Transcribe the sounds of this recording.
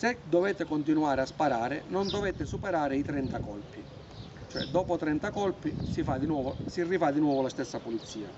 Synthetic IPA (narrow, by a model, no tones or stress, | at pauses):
sed̪ɔvɛt̪ɪkɔnt̪inuaːɾeaspaɾaːɾɪnɔnd̪ovɛt̪ɪsupeɾaːɾɪit̪ɾɛnt̪akɔlpi | t͡ʃoɛ̰d̪ɔːpʊt̪ɾɛnt̪akɔlpisifad̪inɔːvsirːivad̪inwɔːvʊlast̪ɛsːapulit̪sːiːa̰